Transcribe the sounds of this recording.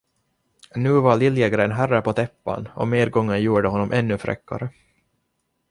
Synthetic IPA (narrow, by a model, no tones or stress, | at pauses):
nʉ̟ːvaɭɪljɛɡɾɛnɦærːapɔt̪ʰɛpːa̰nɔ̰meːd̪̚ɡɔŋːənjuːɖəɦɔnːɔmʔɛnːɵfɾɛ̰kːa̰ɾə